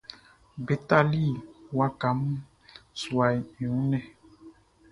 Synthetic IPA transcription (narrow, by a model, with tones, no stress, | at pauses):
be˨ta˨li˦˨wa˦ka˨˦m | swa˨jũ˨˦nɛ˦˨